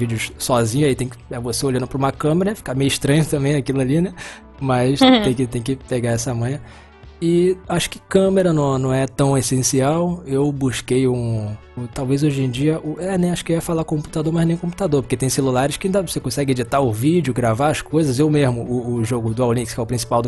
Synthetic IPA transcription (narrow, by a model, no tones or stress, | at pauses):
vid͡ʒɪʊʃsɔzĩɲʊait̪ẽj̃kɪ̥ɛvoseolɐ̃nd̪ʊpɾɐũmɐkɐ̃meɾɐɛfi̥kamejʊɪʃt̪ɾɐ̃ɲʊt̪ɐ̃mbẽj̃akilʊalinɛ | mɐst̪ẽj̃kɪt̪ẽj̃kɪpeɡaɛsɐmɐ̃jɐ | ɪaʃʊ̥kɪkɐ̃meɾɐnɐ̃w̃nɐ̃w̃ɛt̪ɐ̃w̃esẽsiawewbuʃkejũ | ʊt̪awvejzoʒẽd͡ʒiɐʔʊʔɛnẽj̃aʃʊ̥kɪwɛfalakõmpu̥t̪ad̪oɾmɐʒnẽj̃kõp̬u̥t̪ad̪oɾpo̥ket̪ẽj̃selulaɾɪʃkɪaĩd̪ɐvosekõsɛɡɪed͡ʒit̪aɾʊvid͡ʒiʊɡɾavaɐskojzɐzewmeʒmʊʊːʒoɡʊd̪ʊawlĩkɪskɛʊpɾĩsi̥pawd̪ʊ